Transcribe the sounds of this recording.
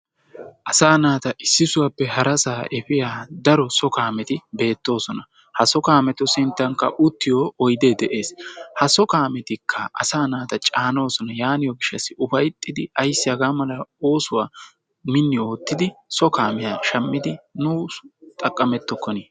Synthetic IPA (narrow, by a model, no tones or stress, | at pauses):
ʔɐsaːnaːt̪ɐʔɪsːɪsʊwaːpːɛɦɐɾɐsaːʔɛfɪjaːd̪ɐɾɔsɔkaːmɛt̪ɪbe̞ːt̪ːo̞ːsɔnɐ | hɐsɔkaːmɛt̪ɔsɪnt̪ːɐŋkːɐ̰ʔʊt̪ːɪjoːɔjd̪eːd̪ɛʔe̞ːshɐsɔkaːmɛt̪ɪkʰːɐʔɐ̰saːnaːt̪ɐt͡ʃʼaːno̞ːsɔnɐjaːnɪjɔɡɪʃːɐsːɪʊfɐjt̪ʼːɪd̪ɪɐjsːɪɐɡaːmɐlɐo̞ːsʊwaː | mɪnːɪo̞ːt̪ːɪd̪ɪsɔkaːmɛjaʃɐmːɪd̪ɪnʊːt̪ʼɐkʼːɐmɛt̪ːɔkːɔniː